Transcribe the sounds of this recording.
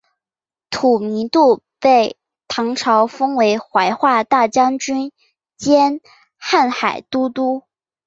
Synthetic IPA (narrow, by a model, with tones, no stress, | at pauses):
t̪ʰu˨˩mi˧˥nt̪u˥˧ | pe˥˩ɪ | t̪ʰɑ˧˥ŋʈ͡ʂʰɑ˧˥ʊfɤ˥ŋwe˧˥ɪxwa˧˥ɪxwa˥˧t̪a˥˩t͡ɕjɑ˥ŋt͡ɕy˥n | t͡ɕjɛ˥n | xa˥˩nxa˨˩ɪt̪u˥t̪u˥